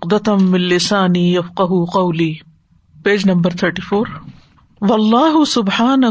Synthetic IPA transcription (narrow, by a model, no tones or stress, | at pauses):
qd̪ɐt̪mːɪnlɪsaːniːjɐfqaɦuqɐwliː | peːd͡ʒnɐ̃mbəɾt̪ʰəɾʈiːfoːɾ | wɐlˤːɑːɦʊsʊbħaːnɐ